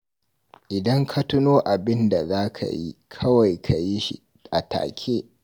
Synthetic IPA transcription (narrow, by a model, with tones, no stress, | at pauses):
ʔɪ˨dɐ˦ŋkʰa˦tʊ˦noː˦ʔa˨bɪ˦nda˨zaː˦kʰa̰˨jḭ˦kʰɐ˦wa˨jkʰa˨ji˦ʃḭ˦ | ʔa˨ta̰ː˨kʲʰeː˦